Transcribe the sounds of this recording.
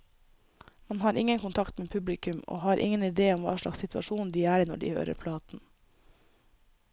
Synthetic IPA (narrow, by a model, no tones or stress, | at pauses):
mɑnhɑːɾɪŋənkʊnt̪ʰɑkt̪meːpʰʉblɪkʉmo̰ːhɑːɾʔɪ̰ŋənɪd̪eːɔmʋɑ̰ːʃlɑ̰ksɪt̪ʋɑ̰ʃuːnn̩d̪iːæːɾːnɔ̰ɖḭːhø̰ːɾə̰ɾpʰlɑːt̪n̩